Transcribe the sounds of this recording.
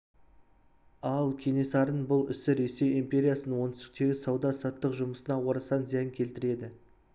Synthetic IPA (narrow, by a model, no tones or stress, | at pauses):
ɑlˠkʲʰe̞ne̞sɑɾənbʊlˠʏ̰sɪɾe̞se̞jimpʲe̞ɾʲijasənənwo̞nɪst̪ɪ̥k̚t̪e̞ɡʲɪsɑwd̪ɑsɑt̪ːəqʒʊməsənɑwo̞ɾɑsɑnziæjɪŋkʲʰe̞lt̪ɪɾe̞d̪ɪ